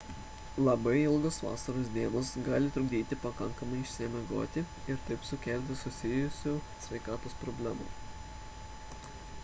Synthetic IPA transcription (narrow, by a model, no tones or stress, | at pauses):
lˠɐbɐɪɪlˠɡosʋɑ̰ːsɐɾoːsd̪ʲiɛnoːsɡɑːlʲɪt̪ɾʊɡ̚d̪ʲiːt̪ʲɪpɐkɐŋkɐmɐɪɪʃʲsʲɪɛmʲɛɡo̰ːt̪ʲɪ | ɪɾt̪ɐɪpsʊkʲɛˑlʲt̪ʲɪsʊsʲɪjʊsʲoːsʲʋʲɛɪkɑːt̪oːspɾɔbʲlʲæmṵː